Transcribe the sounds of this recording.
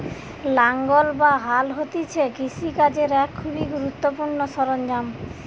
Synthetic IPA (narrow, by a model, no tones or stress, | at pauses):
laŋɡolbaɦalɦot̪it͡ɕʰekisikad͡ʑeɾɛkʰːubiɡuɾut̪ːopuɾnoʃɔɾond͡ʑam